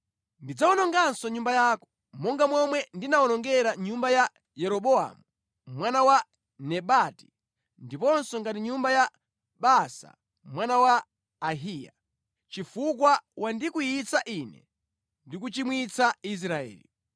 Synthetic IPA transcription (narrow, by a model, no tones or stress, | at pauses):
ndid͡zawɔnɔŋɡansɔɲumbajaːkɔ̥ | mɔŋɡamwɔmwɛndinaɔnɔŋɡɛɾaɲumbaja | jɛɾɔɓɔa̰mu | mwanawa | nɛɓati̥ | ndipɔnsɔŋɡatiɲumbaja | ɓasa̰ | mwanawaː | ɦija̰ | t͡ʃifukwawandikujit͡saʔinɛ̰ | ndik̬ut͡ʃimwit͡sais̬ɾaɛ̰ːlḭ